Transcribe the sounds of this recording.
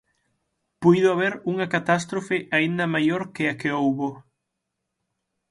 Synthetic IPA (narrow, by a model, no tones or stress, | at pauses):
pujðʊaβ̞eɾuŋɐkat̪ast̪ɾofɪʔaind̪ɐmajoɾkɪɐkeowβo